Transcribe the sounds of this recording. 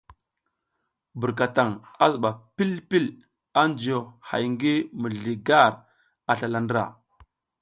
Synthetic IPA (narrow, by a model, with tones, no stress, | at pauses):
bu˨ɾk̬a˨ta˨ŋa˦zu˨ɓa˨pi˦lpi˦l | a˦nd͡ʒi˨o˨ha̰˨jŋɡi˦mə˨ɮi˨ɡa˦˨ɾ | a˨ɬa˨la˨ndɾa̰˨